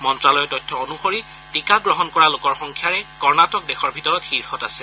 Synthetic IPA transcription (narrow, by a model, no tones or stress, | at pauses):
mɔntɹalɔjɔtɔjtʰːɔonuxoɹi | tikaɡɹɔɦɔnkɔɹalokɔɹxɔŋkʰjaɹɛkɔɹnatɔk̚dɛxɔɹbʱitɔɹɔthiɹhɔta̰sɛ